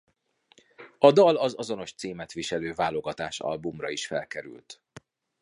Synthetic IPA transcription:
ɒd̪ɒlɒzɒzo̞no̞ʃt̪siːmɛt̪ʋiʃɛløːvaːlo̞ɡɒt̪aːʃɒ̰lbumrɒiʃfɛlkɛɾy̰lt̪

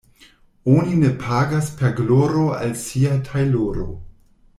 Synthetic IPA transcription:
onine̞pʰaɡaspʰeɾɡloɾoa̰lsiatʰajloɾo̰

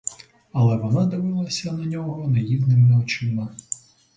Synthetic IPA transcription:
ɐlˠɛʋɔnad̪ɪʋɪlˠɐsʲɐnɐnʲɔɦɔnɐjiwnɪmɐɔt͡ʃɪmɐ

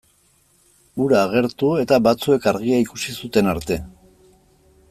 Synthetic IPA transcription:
uɾaːɣe̞ɾt̪ue̞t̪aβat͡sue̞kaɾɣiaikusisut̪e̞naɾt̪e̞

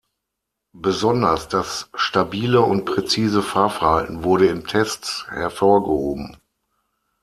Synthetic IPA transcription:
bəzɔndɐsd̥asʃtabiːləʊnt̚pʁ̥ɛt͡siːzəfaːɐfɛɐhaltn̩vʊɐɾəɪntʰɛstt͡shɛɐfoːɐɡəhoːbm̩

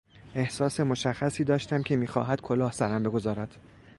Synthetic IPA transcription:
e̞hsɒːse̞mo̞ʃæχːæsiːd̪ɒːʃt̪æmcʲʰe̞miːxɒ̰ːɦæd̪̥̚kʰolɒːhsæɾæmbe̞ɡo̞zɒːɾæd̪̥

